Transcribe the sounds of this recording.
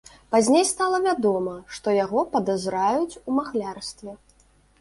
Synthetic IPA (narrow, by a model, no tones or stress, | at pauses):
pazʲnʲejst̪alˠɐvʲad̪ɔmɐʂt̪ɔjaɣɔpɐd̪azɾajut͡sʲumaɣlʲarst̪vʲɛ